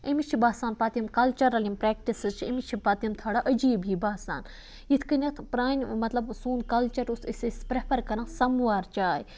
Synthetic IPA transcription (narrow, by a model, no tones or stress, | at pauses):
ɐmit͡ʃʰibaːsaːnpaːt̪imkɐlt͡ʃɐɾɐlimpɾɛːk̚ʈisɨzt͡ʃʰɐ̰mit͡ʃʰipaːt̪imt̪ʰaːɽaʔɐd͡ʒiːbɦiːbaːsa̰ːn | jit̪ʰkɐnʲɐt̪ʰpɾaːnʲmɐt̪lɐbsuːnkɐlt͡ʃɐɾusɐsesʲpɾepʰɐɾkɐɾãːsɐmʋaːɾt͡ʃaːj